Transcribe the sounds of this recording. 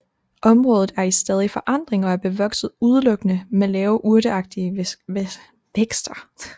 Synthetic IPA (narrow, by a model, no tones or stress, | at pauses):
ʔɒ̽mʁɔ̽ːð̞ˠð̩ˠæɐisd̥ɛːð̞ˠifɒ̽ʔɑ̈n̰d̥ʁeŋɒ̽æɐb̥e̝ʋɒ̽ɡ̥sð̩ˠuð̞ˠəlɔ̽ɡ̥ənəmelɛːʊʔuɐɾəɑ̈ɡ̥̚d̥iə | ʋeɡ̥sd̥ɐ